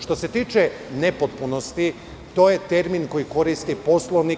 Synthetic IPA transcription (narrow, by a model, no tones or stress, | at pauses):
ʃt̪o̞se̞t̪iːt͡ʃenepot̪̚punost̪i | t̪o̞ːjet̪e̞ɾminko̞jiko̞ɾist̪ipo̞slˠoʋni